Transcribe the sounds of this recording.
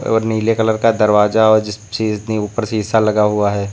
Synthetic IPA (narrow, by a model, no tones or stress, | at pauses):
ɔ̰ːɾniːlekɐləɾkad̪ɐɾʋaːzaɔːɾd͡ʒɪsseneuːpəɾseɦɪsːalɐɡaɦʊaɦɛː